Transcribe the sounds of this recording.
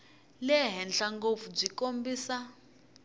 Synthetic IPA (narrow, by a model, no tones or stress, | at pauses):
lɛɦɛnɬaŋɡofub͡ʐikombiːsa